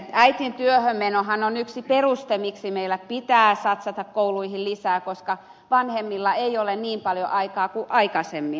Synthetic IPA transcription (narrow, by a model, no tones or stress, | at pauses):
æit̪int̪yøhømmenohɑnonyksiperust̪emiksimeilːˑæpit̪æːsɑt̪sɑt̪ɑkkouluihillisæːkoskɑ | ʋɑnhemːilːɑeiolenniːmpɑljo̰ʔɑikɑːkuʔɑikɑsemːi